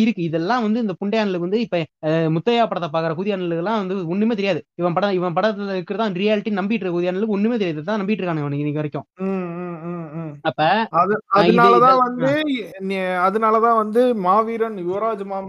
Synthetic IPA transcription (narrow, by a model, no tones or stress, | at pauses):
ɪɾɯkːɯɪðɛlːãːʋɐnd̪ɯɪnd̪ɐpʊɳɖɐjaːnɐlɯʋɐnd̪ɯɪpːɐmʊt̪ːɐjaːɐpːɐɽɐt̪ːɐp̬aːkɐɾɐkuːðɪjaːnɐlɯkːɛlːãːʋɐnd̪ɯɔɳːɯmeːt̪̬ɛɾɪjaːðɯɪʋɐ̃pɐɽɐɪʋɐ̃pɐɽɐlɪɾɯkːɯɾɐt̪ãːʋnd̪ɾɪjaːlɪʈːinɐmbɪʈːrɾɯkɐkuːðɪjaːnɐlɯkːɯɔnːɯmeːt̪ɛɾɪjaːðɐt̪ːãːnɐmbɪʈːrɯkːaːnɯŋɐʋɐnːŋɪnːɪkːɯʋɐɾɪkːõː | ɐpːɐɐðɯɐɯnaːlɐt̪ãːʋɐnd̪ɯnɐðɯnaːlɐt̪ãːʋɐnd̪ɯmaːʋiːɾɐnjʊʋɐɾaːd͡ʒmaː